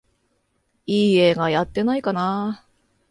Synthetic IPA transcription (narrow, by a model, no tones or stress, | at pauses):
iːe̞ːɡajat̪ːe̞naikana